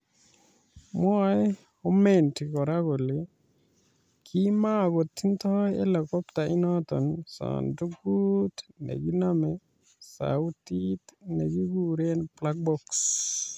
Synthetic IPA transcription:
mwa˦j | o˦me˨nti˨kɔ˨ɾa˦ɡo˨le | kʰima˦ɡo˨t̪ːi˦nt̪ɔjɛ˦la˨kɔ˦pt̪a˨i˦nɔt̪ɔ̰nsɔ̰ndu˦ɡutnɛ̰˨ɡi˦namɛ | sa̰utit̪nɛɡi˦ɡuɾe˦nplak̚bɔks

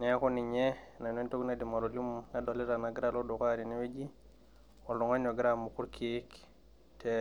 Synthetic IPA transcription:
ne˦ko˦ni˨ɲe˦na˨ne˦nto˦kna˦di˨ma˨ɾo˨li˦mna˦do˨li˦ɾa˨na˨ɡi˦ɾa˦lo˦do˨ka˦ɾi˨ni˦we˦d͡ʒi˦ | o˨lo˨ŋo˦ɲo˨ɡi˦ɾa˦mu˨ku˦ɾkʰi˨˦k | tʰe

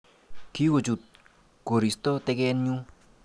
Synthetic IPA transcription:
kʰi˦ko˨t͡ʃu˨t̪̚ | ko˨ɾi˨st̪ɔ˦t̪e˦˧kɛ˦nɲu˦

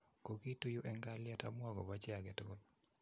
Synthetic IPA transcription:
ko˨ki˦tu˦ju˦ʔɛ˦ŋɡa˦lja˦ta˦mwa˦ɡɔ˨ba˦t͡ʃɛ˦a˨ɡɛ˨tɡo˦l

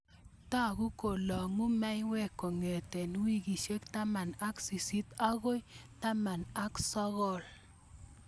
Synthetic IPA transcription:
ta˦˨ku˦ko˨lɔ˨ŋu˦mɛ˦jwɛ˦˨ko˨ŋe˨te˨nwi˦˨ɡi˨ʃe˦kta˦ma˨na˦ksi˨si˦t̪a˦ɣo˦jta˦ma˨na˦ksɔ˦ɣɔ˦˨l

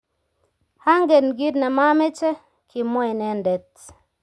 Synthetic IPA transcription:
ha˦ŋɡe˨nɡi˦tnɛ˨ma˦me˦t͡ʃɛ˦ | kʰi˨mɔ˦jnɛ˨˦ndɛ˨t

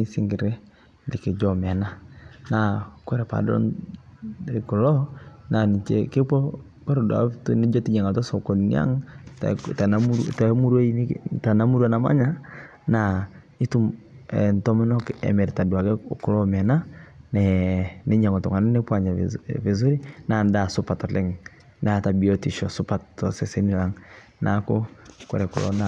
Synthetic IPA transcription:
ni˦si˦ŋɡi˨ɾɛ˦ | li˨ke˨d͡ʒɔ˨mɛ˨na˦na˨kwɛ˦ɾɛ˨pa̰˨dɔ̰˦n | e˨ku˨lɔ˦na˨ni˨t͡ʃɛ˨ke˦pɔ˦ | kwɛ˦ɾɛ˨dwa̰˨˦tone˦d͡ʒɔ˦ti˦ɲa˨ŋa˨tɔ˦so˨ko˨nḭa̰˦ŋtta˨na˦ta˨˦mu˦ɾwe˦i˦ta˨na˦mu˦ɾwa˦na˨ma̰˦ɲa˦ | na˨ | i˦tu˦mɛ˨ntɔ˦mɔ˦nɔ˦kɛ̰˨mɛ˨ɾta˨dwa˨kɛ˦kʊ˦lɔ˦mɛ˨na˦nɛne˦ɲa˨ŋɔ˨tɔ˨ŋa˨nɛ˦ne˦pwa˨ɲa̰˨ve˨z̬o˦ɾi˦na˨nda˨sʊpa˨tɔ˨lɛ˦ŋ | na˨ta˨bi˨ɔ˦ti˨ʃɔ˨sʊpa˨tɔ˨sɛ˨se˦ni˨la˦ŋ | nakɔ˦kɔ̰ɾɛ˨kʊ̰˨lɔ̰˦na˨

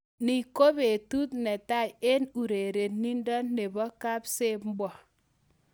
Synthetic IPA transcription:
ni˨ko˦be˨tu˦tne˨ta˦˨je˦nu˨ɾe˨ɾe˨tni˦ndɔ˦nːe˨bɔ˦ka˦pse˦pm̩˦bɔ˨

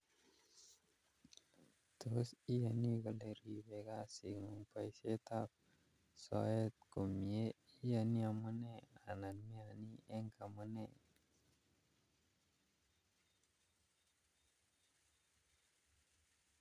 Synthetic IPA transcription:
t̪o˨si˦ja˨ni˦ɡa˨le˨ɾi˨be˨ɡa˦si˨ŋu˨ŋpa˨jse˦t̪a˦p̚ | so̰e˦t̪̚ko˨mi˨e˦ | i˦ja˨ni˦a˨mu˦ne˦a˨na˨nmi˦a˨ni˦e˦ŋka˨mə˦ne˨

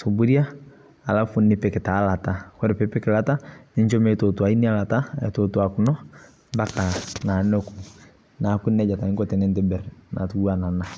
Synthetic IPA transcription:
so˨bu˦ɾi˦aː˦˨ | la˦fu˦nːɪ˦pɛ˨kɪ˨ta˨˦la˨ta˦kɛ˦ɾɛ˨pɛ˦pɛ˦kɪ˨la˦ta˦nɪ˦ɲt͡ʃɔ˦mɛ˦˨tɔ˨tu˨a˨i˦ni˦a˦la˨ta˦ɛ̰˨tɔ˨tu˦a˨kʊ˨nɔ˦ | ba˦ka˨na˨no˦ku˨ | na˨˦ku˦nɛ˦ɟa˨ta˨ɪ˦ŋkɔ˦tɛ˨nɛ˦ntɛ˦bɛ˨ɾna̰˨tu˦a˦na˨na˦

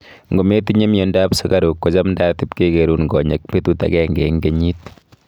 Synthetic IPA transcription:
ŋɡo˨me˦ti˦ɲe˦mjo˨nda˦psi˦ka˦ɾu˨kːo˨t͡ʃa˦mnda˦ti˦pke˦ke˨ɾuː˦nɡɔ˨ɲe˨k̚pe˦tu˦ta̰˨kɛ˦ŋɡɛ̰˨ŋɡe˨ɲi˦t̚

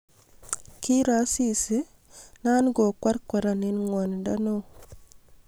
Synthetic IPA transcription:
ki˦ɾa˨˦si˦si˦ | na˦nɡo˨kwa˦ɾkwa˨ɾa˨ni˦nŋwɔ˨n˨da˦no˦

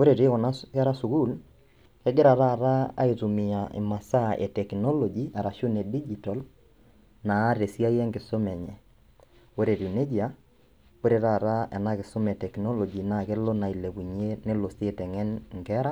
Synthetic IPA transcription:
o˦ɾe˨ɾe˦kɔ˨na˦ɛ˦ɾa˦su˨ku˦l | kɛ˦ɡɪ˦ɾa˨ɾa˦˨ɾa˦a̰˦itu˨mɪ˨a˨ʔɪ̰˨ma˨sa˦ʔɛ̰˨tɛ˨knɔ˦lɔ˨d͡ʒi˨a˨ɾa˨ʃʊ˦nɛ˨di˦d͡ʒi˨tɔ˨l | naː˨˦ɾe˨si˦a˦jɛ˦ŋɡɪ˨so˦mɛ˨ɲɛ˨ | o˦ɾe˨ɾu˨ne˦d͡ʒia˦ | o˦ɾe˨ɾa˦˨ɾa˦ɛ̰˨na˦kɪ˨so˦mɛ˨tɛ˨knɔ˦lɔ˨d͡ʒi˨na˨ke˦lo˦na˨i˨le˨ku˨ɲ˦e˦nɪ˦lo˨se˦tɛ˨ŋɛ˦nŋɡɛ˦ɾa˦

